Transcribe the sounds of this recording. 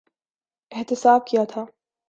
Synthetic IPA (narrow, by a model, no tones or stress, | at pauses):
ɪht̪ɪsaːb̚kʰijat̪ʰa